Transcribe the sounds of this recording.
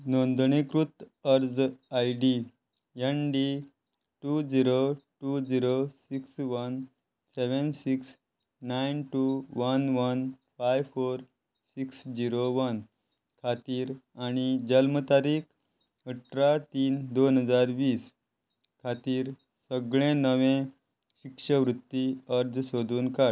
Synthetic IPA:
nond̪ɳekɾut̪əɾd͡zajɖi | jənɖi | ʈud͡ziɾoʈud͡ziɾosiksʋən | seʋənsiks | najnʈuʋənʋənfajʋfoɾ | siksd͡ʑiɾoʋən | kʰat̪iːɾaɽ̃id͡ʑəlmət̪aɾiːkʰ | əʈɾat̪iːnd̪onɦəd͡zaɾʋiːs | kʰat̪iːɾ | səɡɭẽnəʋẽ | ɕikʂəʋɾut̪ːiəɾd͡zsod̪ʱuːnka

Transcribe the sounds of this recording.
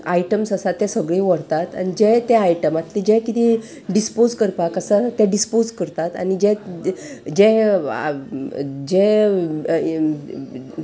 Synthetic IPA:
aiʈəmsəsat̪ːɛ̃səɡɭĩʋəɽt̪at̪a̰nid͡ʑɛt̪ɛ̃ajʈəmat̪lid͡ʑɛ̃kit̪i | ɖispod͡zkəɾpakəsat̪ɛ̃ɖispod͡zkəɾt̪at̪a̰nid͡ʑɛ̃ | d͡ʑɛ̃ | d͡ʑɛ

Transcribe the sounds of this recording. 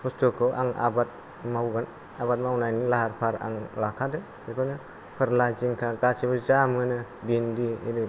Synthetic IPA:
pɔstɔkʰɔʔa̰ŋa̰bat̚ | mawɡan | abat̚mawnajnilaɦaɾpʰaɾa̰ŋlakʰadɯ | ikʰɔnɯ | pʰɯɾlad͡ʒiŋkʰaɡat͡ʃʰibɯzamɯnɯ | bindiḭɾɯ

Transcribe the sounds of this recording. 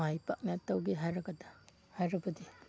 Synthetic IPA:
ajpa̰k̚nat̪ːawɡiɦajɾaɡad̪ḁ | hajɾɐbɐdi

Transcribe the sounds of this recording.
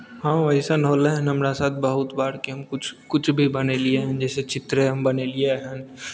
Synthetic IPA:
ɦãːʋɐɦisanɦoːleɦɛ̃nɦɐmɾasaːt̪̚ʰbɐɦʊt̪baːɾkiɦɐmkʊt͡ʃʰkʊt͡ʃʰbʱibɐnelieɦɛ̃nd͡ʒɛːset͡ʃɪt̪ɾeɦɐmbɐnelieɦɛ̃n

